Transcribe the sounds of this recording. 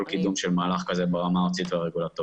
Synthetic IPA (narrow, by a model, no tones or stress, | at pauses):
lkid̪umʃelmaːlaχkazebeʁamaot͡sit̪veaʁeɡulat̪o